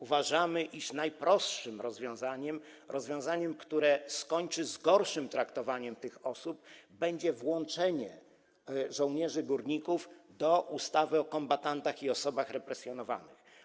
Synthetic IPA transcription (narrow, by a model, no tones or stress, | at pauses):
uvaʐamɘʔiʂnajpɾɔst̪ʂɘmɾɔzvʲjɔ̃w̃zaɲɛmɾɔzvʲjɔ̃zaɲɛmkt̪uɾɛskɔɲt͡ʂɘzɡɔɾʂɘmt̪ɾakt̪ɔvaɲɛmt̪ɘxɔsubbɛɲd͡ʑɛvwɔ̃nt͡ʂɛɲɛ | ʐɔ̃w̃ɲɛʐɘɡuɾɲikuvd̪ɔʔust̪avɘɔkɔmbat̪ant̪axiɔsɔbaxɾɛpɾɛsʲjɔnɔva̰nɘ̰x